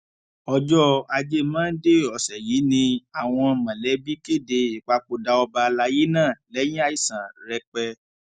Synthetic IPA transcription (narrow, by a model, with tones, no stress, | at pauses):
ɔ˧d͡ʒɔ˦a˧d͡ʒe˦mãː˦n̩˦de˦ɔ˨sɛ˨jiː˨˦nĩ˧a˦˨w̃ɔ̃˧mã˨lɛ˨˦bi˦ke˦˨de˧i˨k͡pa˧k͡po˧da˧ɔ˧ba˧la˧ji˦nãː˦˨lɛ˨˦j̃ĩ˦a˦˨i˨sã˨ɾɛ˧˦k͡pɛ˧